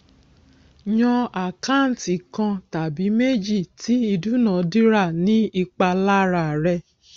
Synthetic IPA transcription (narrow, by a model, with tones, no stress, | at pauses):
ɲɔ̃˧a˨kã˦˨n̩˨ti˨kã˧ta˨bi˨˦me˦d͡ʒi˦˨ti˨˦i˧du˦nã˨˦di˦ɾa˦˨nĩ˦i˧k͡pa˧la˦˨ɾa˨ɾɛ˧